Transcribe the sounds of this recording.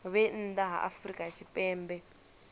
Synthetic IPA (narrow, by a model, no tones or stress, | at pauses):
βɛn̩ːdaɦa̰ʔa̰frikʼat͡ʃʰipʼɛːmbɛ